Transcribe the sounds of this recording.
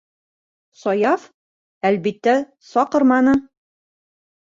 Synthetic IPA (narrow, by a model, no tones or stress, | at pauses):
sɒjɑf | ælbit̪ːæ | sɒqɤ̆ɾmɑnɤ